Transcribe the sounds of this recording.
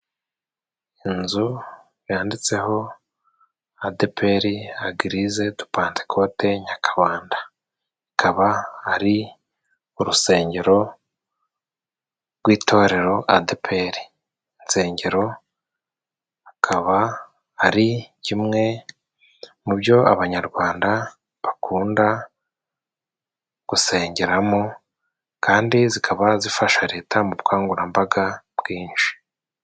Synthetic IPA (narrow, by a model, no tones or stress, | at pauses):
inzu | βjaːndit͡se̞ɦo̞ | adepʰe̞ɾiaɡiɾize̞tu̥paːnte̥kʰo̞te̞ɲakʰḁβaːndaː | kʰaβaːɾi | uɾuse̞ːɲɟe̞ɾo̞ | ɡwiːtʰo̞ːɾe̞ɾo̞ʔadepʰe̞ɾiː | nse̞ːɲɟe̞ɾo̞ | akʰaβaː | ɾicimŋe̞ | mubjo̞a̰βaɲaɾɡwaːnda | βakʰuːnda | ɡ̥use̞ːɲɟe̞ɾamo | kʰaːndizikʰaβazifaʃaɾe̞ːtʰamuβkʰaːŋɡuɾambaɡabɡiːnʃi̥